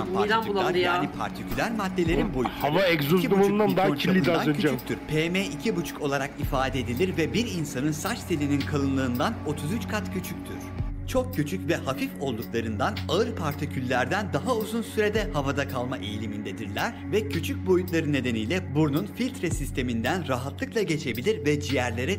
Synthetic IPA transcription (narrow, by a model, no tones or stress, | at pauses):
palauaɾjaːipʰa̰ɾt̪ʰicʰylʲæɾmad̪ːʲe̞lʲe̞ɾinbojhˠavaɛkzozib̪umunand̪ailʲːid̪anʰyt͡ʃycʲt̪ʰyɾpʰeːmeicʰibut͡ʃʰu̥ko̞lˠaɾakifaːd̪ɛd̪ilʲiɾvɛbiɾinsanɯnsat͡ʃt̪ʰilʲininkʰalˠɯnlˠɯːnd̪ano̞t̪ʰuzyt͡ʃkʰat̪cʰyt͡ʃʰyc̚t̪ʰyɾ̥t͡ʃʰo̞k̚cːyt͡ʃʰycvɛhafifo̞lˠd̪uklˠaɾɯnd̪anaɯɾpʰaɾt̪ʰocʰylʲːæɾd̪ænd̪aɦauzunsyɾe̞d̪ɛhavad̪akʰalˠmaʔejilʲimind̪ɛd̪iɾlʲæɾ | vɛcʰyt͡ʃʰyc̚bo̞jut̪lˠaɾɯne̞d̪e̞nijlʲɛbununfilʲt̪ʰɾesist̪ʰe̞mind̪ænɾaɦat̪lˠɯklˠaɟe̞t͡ʃʰe̞bilʲiɾvɛd͡ʒijæɾlʲeɾɛ